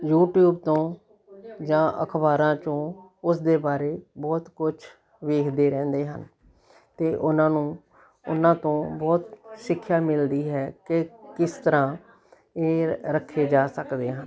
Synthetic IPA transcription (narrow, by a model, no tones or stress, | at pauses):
juːʈjuːbt̪õː | d͡ʒãːʔə̰kʰbaːɾãːt͡ʃõː | ʊsd̪eːbaːɾeːbɔːt̪kʊt͡ʃʰ | ʋeːkʰd̪eːɾɛ̃ːnd̪eːɦə̰n | t̪eːʔʊnãːnũː | ʊ̰nãːt̪õːbɔːt̪sɪkʰːjaːmɪld̪iːɦɛːkɪkɪst̪əɾãː | eːɾəkʰːeːd͡ʒaːsəkd̪eːɦən